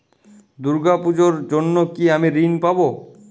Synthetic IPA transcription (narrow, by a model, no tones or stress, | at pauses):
d̪uɾɡapud͡ʑoɾd͡ʑonːokiamiɾinpabo